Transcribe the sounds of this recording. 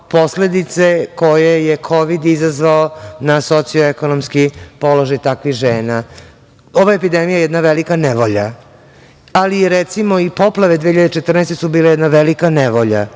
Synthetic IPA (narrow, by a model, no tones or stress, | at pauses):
po̞sle̞d̪it̪seko̞jejekʰo̞ʋid̪izazʋaonasot̪sijoeko̞nomskipo̞lo̞ʒajt̪akʋixʒeːna | oʋaepid̪emijajɛd̪naʋelikaneʋoʎa | aliɾet̪simoipo̞plˠaʋe̞d̪ʋeçiʎad̪t͡ʃet̪r̩nɛːst̪esubiːlajɛd̪naʋelikaneʋoʎa̰